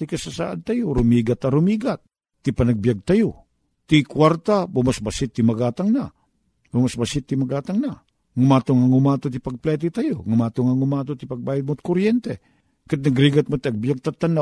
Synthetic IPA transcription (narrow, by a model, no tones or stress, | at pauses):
t̪ikɐsasa̰ʔant̪ajoɾʊmiːɡat̪aɾʊmiɡat̪̚ː | ipɐnɐɡ̚bijaɡ̚t̪ajo | t̪ikwaɾt̪abumasbasɪt̪ːimɐɡaːt̪aŋna | bʊmasbasɪt̪ːimɐɡaːt̪aŋna | ŋumaːt̪oŋaŋumat̪ot̪ipɐɡ̚plɛt̪̬it̪ajoŋumaːt̪oŋaŋumat̪ot̪ipɐɡ̚baːjad̪̚mot̪̚koɾjɛnt̪ɛ | kat̪̚nɐɡɾiɡat̪̚mot̪iɐɡ̚bijaɡ̚t̪at̪ːana